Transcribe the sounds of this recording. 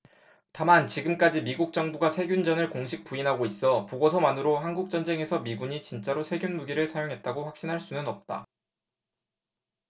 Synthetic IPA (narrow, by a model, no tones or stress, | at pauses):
tamant͡ɕiɡɯmk͈ad͡ʑimiɡuk̚t͡ɕ͈ʌŋbuɡasʰe̞ɡʲjund͡ʑʌnɯɭkoŋɕʰik̚p͈uinɦaɡois͈ʌpoɡosʰʌmanɯɾoɦanɡuk̚t͡ɕ͈ʌnd͡ʑe̞ŋe̞sʰʌmiɡuɲit͡ɕint͡ɕ͈aɾosʰe̞ɡjunmuɡiɾɯɭsʰajoŋɦe̞t̚t͈aɡoɸwak̚ɕ͈inɦaɭs͈unɯnʌp̚t͈a̰